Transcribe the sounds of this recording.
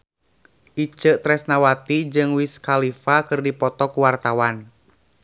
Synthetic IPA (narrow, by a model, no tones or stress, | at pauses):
ʔit͡ʃəʔt̪ɾɛsnawat̪id͡ʒɨŋwiskalifakɨrdipɔt̪ɔkuwart̪awan